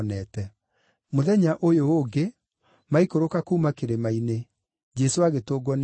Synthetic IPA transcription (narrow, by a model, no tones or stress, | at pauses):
nɛtɛ | moðɛɲaʔojooːɡe | maikoɾokakuːmakeɾemaine | d͡ʒɛsoaɣetoːɡwɔn